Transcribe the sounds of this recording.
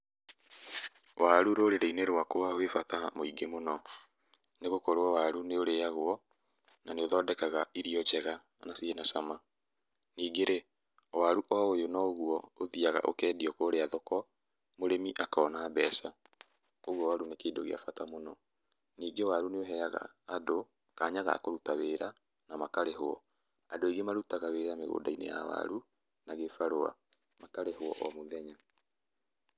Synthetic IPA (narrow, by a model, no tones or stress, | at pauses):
wʔaɾuɾoɾeɾeineɾwakowawefatamoiɡemonɔ | neɣokoɾoɔwaɾuneoɾejaɣwɔ | naneoðɔːdɛkaɣaiɾiɔd͡ʒɛɣa | nasienasama | niːɡeɾe | waɾuʔɔojonɔoɣuɔoðiaɣa̰ʔo̰kɛːdiɔkoɾeaðɔkɔ | moɾemiʔakɔnaːbɛsa | oɣwɔwaɾunekeːdoɣḛa̰fatamonɔ | niːɡewaɾuneoɦɛaɣa̰ːdo | kaːɲaɣa̰koɾutaweːɾa | namakaɾeɦoɔ̰ | adoeɣemaɾutaɣaweːɾameɣo̰ːdainḛja̰wa̰ɾu | naɣefaɾoa̰ | makaɾeɦoɔ̰ʔɔmoðɛɲa